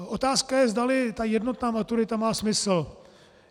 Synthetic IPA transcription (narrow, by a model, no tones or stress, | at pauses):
ʔot̪aːskajɛzdalɪt̪ajɛdno̞t̪naːmat̪uɾɪt̪amaːsmɪsl̩